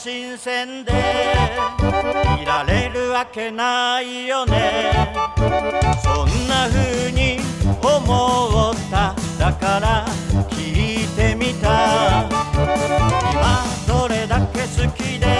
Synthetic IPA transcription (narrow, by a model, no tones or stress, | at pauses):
ɕĩsẽ̞nd̪e | iɾaɾe̞ɾɯ̟βake̞naijone̞ | sõnːaɸɯɲ̟iomoot̪ːad̪akaɾakʲʰit̪e̞mʲit̪a | imasoɾe̞d̪ake̞sɨkʲid̪e̞